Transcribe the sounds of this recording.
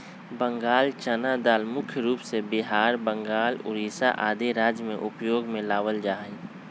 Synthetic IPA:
bə̃ŋɡaːlt͡ʃənad̪aːlmʊkʰjəɾuːpsebɪɦaːɾbə̃ŋɡaːlʊ̰ɾiːsa̰ʔaːd̪eɾaːd͡ʒjmẽʔʊpjoːɡmẽlaːʋəld͡ʒaːe

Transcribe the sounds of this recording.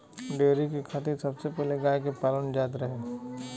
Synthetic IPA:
ɖeːɾikikʰat̪isɐbsepɛːleɡaːjkepaːlənd͡ʒaːt̪ɾɐɦe

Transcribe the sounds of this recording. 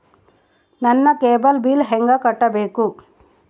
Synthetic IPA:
nɐnːɐkeːbɐlbiːlɦɛŋɡɐkɐʈːɐbeːku

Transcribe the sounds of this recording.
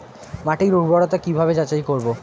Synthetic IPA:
maʈiɾuɡbʱɔɽot̪akibʱabed͡ʑat͡ɕaijkoɾbo

